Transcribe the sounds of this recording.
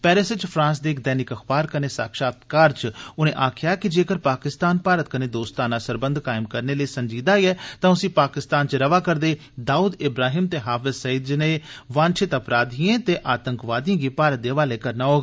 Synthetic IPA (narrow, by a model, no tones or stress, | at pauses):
pɛːɾɪsɪt͡ʃpʰɾãːns̬d̪eːkd̪ɛːnɪkəxʰbaːɾkəneːsa̰ːkʃaːt̪kaːɾt͡ʃʊnẽːʔaːkʰɪjaːkɪd͡ʒeːkəɾpaːkɪst̪aːnpaːɾət̪̚kəneːd̪oːst̪aːnãːsəɾbənd̪ʱkaːɪmkəɾneːləiːsəɲd͡ʒiːd̪aːiɛːt̪ãːʊsĩːpaːkɪst̪aːnt͡ʃɾəʋaːkəɾd̪eː | d̪aːuːd̪ɪbɾaːɦiːmt̪eːɦaːfɪsəiːd̪d͡ʒneːʋãːnt͡ʃʰɪt̪əpɾaːd̪ʱiẽːt̪eːʔaːt̪əŋkʋaːd̪ijãːɡiːpaːɾət̪̚d̪eːʋaːleːkəɾnaːoːɡ